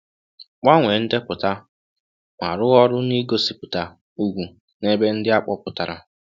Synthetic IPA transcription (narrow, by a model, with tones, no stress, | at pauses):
k͡pa˦ŋʷe˨n̩˦dɪ˦pʊ˨ta˦ | mʷa̰˨ɾʊ˦ɣɔ˦ɾʊ˦ni˦ɡo˦si˨pʊ˨ta˦ | u˦ɡʷu˨ | ne˦be˦n̩˦dɪ˦a˦k͡pɔ˦pʊ˨ta˨ɾa̰˦˨